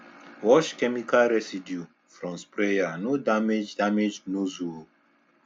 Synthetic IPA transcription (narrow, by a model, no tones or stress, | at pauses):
wɔʃkɛmikalɾɛsidju | fɾɔ̃nspɾejanudamed͡ʒdamed͡ʒnuzuo